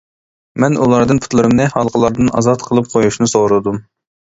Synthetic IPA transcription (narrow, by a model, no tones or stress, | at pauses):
mɛnulˠɑɾd̪ɨnpʰʊ̥t̪lˠɨɾɨmnɨhɑlˠqʰəlˠɑɾd̪ɨnɑ̰zɑt̪qʰəlˠɨp̚qʰojuʃnɨsoʁɾɨd̪um